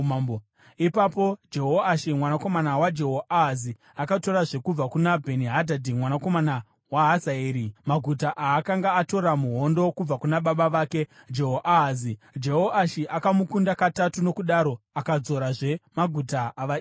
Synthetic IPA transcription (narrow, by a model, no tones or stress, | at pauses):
ipapo̞d͡ʒeɦoaʃimwanakomanawad͡ʒe̞ɦoʔaɦazi | akato̞ɾaʐe̞kub͡vakunabʱeniɦadʱadimwanako̞mana | waɦazaeːɾimaɡʱutaʔaːkaŋɡaːto̞ɾamuɦo̞ndo̞kub͡vakunaɓaɓaʋaːke̞d͡ʒe̞ɦoʔaɦazi | d͡ʒe̞ɦoʔaʃiʔakamukundakatatuno̞kuɗaɾo̞ | akad͡zo̞ɾaʐe̞maɡʱutaaʋa